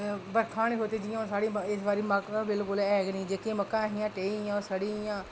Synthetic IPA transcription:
bəɾkʰãːniːɦoːt̪eːd͡ʒɪjãːsaːɽiːɪsbaːɾiːməkːbɪlkʊlɛːɡnĩːd͡ʒeːkeməkːãːɦɪjãːʈeːjãːsəɽiːjãː

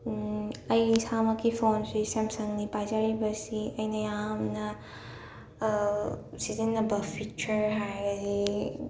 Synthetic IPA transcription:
ɐjsamɐkipʰonsisemsɐŋnipajzaɽibɐsiɐjnɐjamnɐ | sizenːɐbɐpʰit͡ʃɐɾɦajɡɐzi

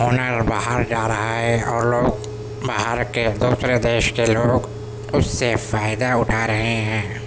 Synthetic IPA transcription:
ɦoːnəɾbaːɦəɾd͡ʒaːɾɐɦaɦɛɔːɾloːɡ | baɦəɾked̪uːsɾed̪eːʃkeloːɡ | ʊsːefaːɪd̪aʊʈʰaɾɐɦeɦɛ̃ː

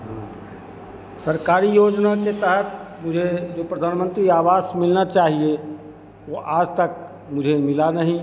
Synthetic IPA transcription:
ɦã | səɾkaːɾijoːd͡ʒnaket̪əɦət̪mʊd͡ʒʱed͡ʒoːpɾəd̪ʱaːnmə̃nt̪ɾiaːʋaːsmɪlnat͡ʃaːɦie | oʔaːd͡ʒt̪ək̚ | mʊd͡ʒʱemɪlanəɦĩ

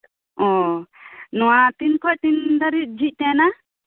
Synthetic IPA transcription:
ɔ̃ | nɔwat̪inkʰɔjt̪ind̪əɾit̪̚d͡ʒʱiʔ̚ˀt̪ɛ̃na

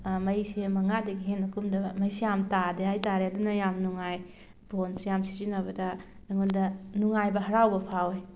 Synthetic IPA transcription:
mɐjsemɐŋadɐɡiɦenɐkʰumdɐmɐjsejamtadeajtaɾeɐdunɐjamnuŋaj | pʰonsejamsi̥zinɐbɐdɐ | aŋundɐnuŋajbɐɦɐɾawbɐpʰawej

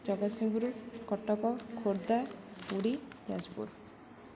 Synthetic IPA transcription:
d͡ʒɔɡɔt̪siŋbuɾukɔʈːɔkɔkʰoɾd̪auɽid͡ʒa̰d͡ʒpṵɾ

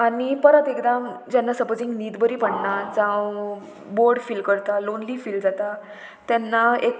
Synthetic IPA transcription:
aɽ̃ipəɾət̪ekd̪amd͡ʑɛnːasəpd͡zĩŋɡniːd̪bəɾiːpəɳnad͡zãw | boɾɽfilkəɾt̪alonliːfiːld͡zat̪a | t̪jɛnːaek

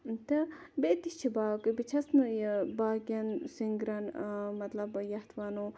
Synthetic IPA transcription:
t̪ɨbeːt̪iʃt͡ʃʰibaːkɨbit͡ʃʰɐsnɨbaːɡʲɐnsiŋɡɾɐnmɐt̪lɐbjɐht̪ʰʋano

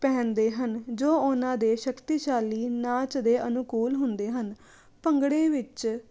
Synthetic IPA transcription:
pɛ̃ːnd̪eːɦənd͡ʒoːʊnãːd̪eːʃəkt̪iːʃaːliːnãːt͡ʃd̪eːʔənʊkuːlɦʊnd̪eːɦən | pəŋɡɽẽːʋɪt͡ʃ

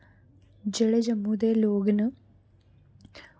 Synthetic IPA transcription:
d͡ʑeɭɐd͡ʑɐmːud̪eːloːɡɐnɨ

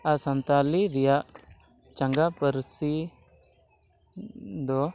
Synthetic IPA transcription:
asənt̪aliɾijaʔ | t͡ʃɐŋɡapəɾsi | d̪ɔ

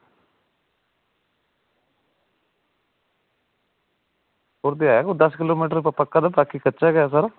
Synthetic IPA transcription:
ɦoːɾd̪iːaːjaːkod̪əskɪloːmiːʈ̬əɾpəpəkːaːd̪abaːkikətːʃaːɡɛjaːs̬aːɾaː

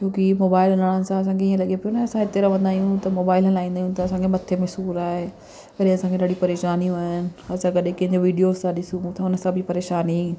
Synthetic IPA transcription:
t͡ɕoːkimoːbaːɪlɐnaɽ̃ə̃nɪ̆sãɐs̬ãkʰeiːə̃lɐɠepijonaːɐsãɪt̪eɾɐʋɐ̃nd̪aːijũt̪ɐmoːbaːɪlɦɐlaːĩːnd̪aːjũt̪ɐɐsãkʰemɐt̪ʰːemẽsuːɾaːɦe | kɐɗẽɐsãŋkʰeɗaːɽipɐɾeːʃaːniuaːɦɪnɪ̆ɐsãkɐɗẽpɐ̃ɦɪ̃ɲd͡ʑɾoʋiːɖijoːzsãɗɪsũt̪ʰãʊnə̆sãbɪpɐɾeːʃaːni

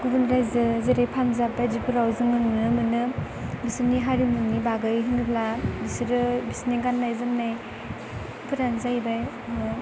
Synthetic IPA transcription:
ɡubunɾajzɯzeɾejpʰanzabajdipʰɯɾawzɯŋɯnɯnɯmɯnɯ | bisɯniɦaɾimunibaɡɯjɦɯnɯlabisiɾɯbisneɡanːajzɯmnaj | pʰɯɾanzajbaj

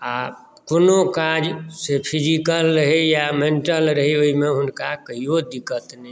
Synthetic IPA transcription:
a | konokad͡ʒsepʰid͡ʒikəlɾəɦijamenʈəlɾəɦioimẽɦʊnkakəiod̪ikət̪nə

